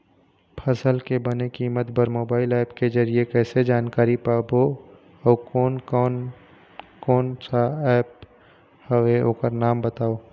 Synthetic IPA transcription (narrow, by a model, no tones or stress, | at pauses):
pʰɐsəlkebɐnekiːmət̪bəɾmoːbaːɪlɛːpked͡ʒɐɾiekɛːsed͡ʒaːnkaːɾipaːbo | ɔkɔːnɔn | kɔːnt͡ʃaɛːp | həʋeokəɾnaːmbət̪aːoː